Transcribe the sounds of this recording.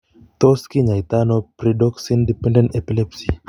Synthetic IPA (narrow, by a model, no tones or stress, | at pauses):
t̪ɔskiɲait̪anɔpɾidɔksindipɛ̃ndɛnɛpilɛpsi